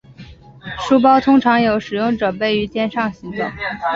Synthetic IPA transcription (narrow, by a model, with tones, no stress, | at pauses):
ʂu˥p̬ɑ˥ʊt̪ʰʊ˥ŋʈ͡ʂʰɑ˧˥ŋjo˧˥ʊʂɻ̩˨˩jʊ˥˩ŋʈ͡ʂɤ˨˩pe˥˩ɪy˧˥t͡ɕjɛ˥˧nʂɑ˥˩ŋɕi˧˥ŋt̪ʊ̰˨˩˦ŋ